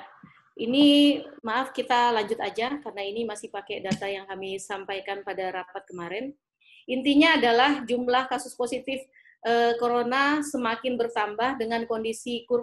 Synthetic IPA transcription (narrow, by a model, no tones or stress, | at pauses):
ʔinimaʔafkit̪alaɲd͡ʒʊt̪ad͡ʒakarənainimasɪhpakɛdat̪ajaŋkamisampajkanpadaɾapat̪̚kəmaɾɛn | int̪iɲaːdalahd͡ʒumlahkasʊsposit̪ɪf | ʔəkoɾonasəmakɪnbərt̪ambahdəŋankondisikur